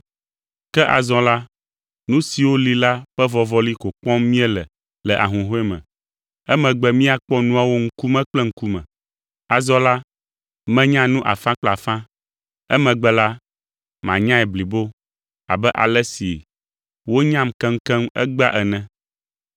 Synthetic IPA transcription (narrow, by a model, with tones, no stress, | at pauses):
kɛ˦ʔa̰˨zɔ̃˨la˦ | nũ˦si˨wo˦li˦la˦ɸɛ˦vɔ˨vɔ˦li˦ko˨k͡pɔ̃˦mmĩ˦ɛ˦lɛ˨ | lɛ˨ʔa̰˨ɦũ˨ɦo˦ɛ˦mɛ̰̃˨ | ɛ˦mɛ̃˨ɡ͡bɛ˦mĩ˦a˨k͡pɔ˦nũ˦a˦wo˦ŋ̩˦ku˦mɛ̃˦k͡plɛ˦ŋ̩˦ku˦mɛ̰̃˨ | a˨zɔ̃˦la˦ | mɛ̃˦ɲã˦nũ˦ʔa˨fã˦k͡pɛ˦˨a˨fã˦ | ɛ̰˦mɛ̃˨ɡ͡bɛ˦la˦ | mã̰˨ɲã˦ɛ˨bli˨bo˦ | a̰˨bɛ˦ʔa̰˨lɛ˦sḭ˨ | wo˦ɲã˦mkɛ̃˦ŋ̩˦kɛ̃˦mɛ̰˦ɡ͡ba˦ʔɛ˨nɛ̃˨